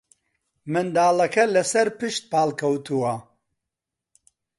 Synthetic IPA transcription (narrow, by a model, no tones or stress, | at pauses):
mɨnd̪aːlɐkɐlɐsɐɾpɨʃt̪̚paːlkʰɐwt̪ʰuwɐ